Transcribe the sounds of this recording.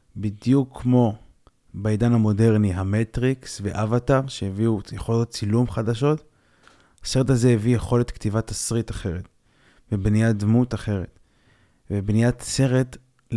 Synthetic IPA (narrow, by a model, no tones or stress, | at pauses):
bidjukʰːmo̞ | baidanhamo̞de̞ʁniɦametʁiksveʔavatavʃeheviujeχolot̚t͡silumχadaʃo̞t | hase̞ʁethazeevijeχo̞let̪ktivat̪asʁitaχe̞ʁet | vebnijad̪mutaχe̞ʁet | vebnijatse̞ʁet